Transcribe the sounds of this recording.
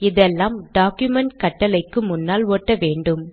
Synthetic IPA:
ɪðɛlːaːmɖaːkjʊmɛɳʈkɐʈːɐlɐɪkːɯmʊnːaːloːʈːɐʋeːɳɖɯm

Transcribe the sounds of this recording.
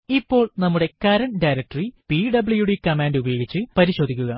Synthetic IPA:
ipːo̞ːɭnɐmːuɽe̞kɐɾɐnɖɐjɾɐk̚ʈɐripiɖɐbɭjuɽekɐmaːndubɐjo̞ːɡit͡ɕːɨpɐɾiɕo̞ːd̪ʱikʲːuɣɐ

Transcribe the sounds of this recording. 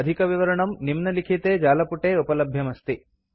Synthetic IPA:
ɐd̪ʱikɐʋiʋɐɾɐɳɐmnimnɐlikʰit̪eːd͡ʒaːlɐpuʈeːupɐlɐbʱjɐmɐst̪i

